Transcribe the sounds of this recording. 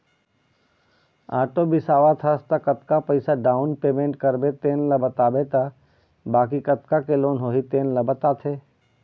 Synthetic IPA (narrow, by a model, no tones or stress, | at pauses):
aːʈobɪsaːʋat̪ʰast̪akɐt̪kapɐɪsaɖaːʊnpeːmẽːɳʈkɐɾbet̪eːnlɐbɐt̪aːbet̪a | baːkikɐt̪kakeloːnɦoːɦit̪eːnlɐbɐt̪aːt̪ʰeː